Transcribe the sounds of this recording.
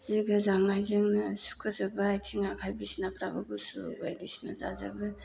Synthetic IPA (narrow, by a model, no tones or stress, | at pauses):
ziɡɯzaŋlajzɯŋnɯsu̥kʰɯzabɯajtʰiŋakʰajbisnapɾabɯbusṵba̰jbisna̰za̰za̰bɯ